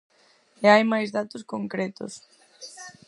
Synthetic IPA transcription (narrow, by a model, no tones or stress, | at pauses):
eajmajzðat̪ʊskoŋkɾɛt̪ʊ̰s